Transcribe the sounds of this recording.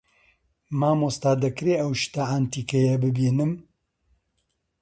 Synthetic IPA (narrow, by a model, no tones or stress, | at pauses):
maːmost̪aːd̪ɐkɾeʔɐwʃt̪aʔaːnt̪iːkɐjɐbɨbiːnɨm